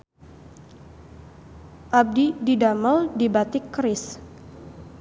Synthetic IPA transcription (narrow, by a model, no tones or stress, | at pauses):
ʔab̚dididaməldibat̪ɪkːɾɪs